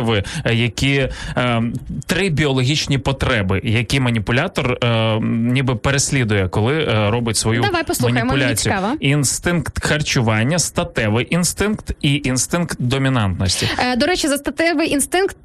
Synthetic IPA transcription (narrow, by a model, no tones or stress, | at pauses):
ʋɪjɐkʲi | t̪ɾɪbʲiɔlˠɔɦʲit͡ʃnʲipɔt̪ɾɛbɪjɐkʲimɐnʲipʊlʲat̪ɔr | nʲibɪpeɾesʲlʲid̪ʊjɛkɔlˠɪɾɔbɪtʲsʋɔjudɐʋajpɔslmˠmɐxnɐijemʊlʲat͡sʲijaʋɐinst̪ɪnkt̪xɐrt͡ʃʊʋɑnʲːɐst̪ɐt̪ɛʋɪjʔinst̪ɪnkt̪iʔinst̪ɪnkt̪d̪ɔmʲinɑnt̪nɔsʲtʲid̪ɔɾɛt͡ʃɪzɐst̪ɐt̪ɛʋɪjinst̪ɪnkt̪̚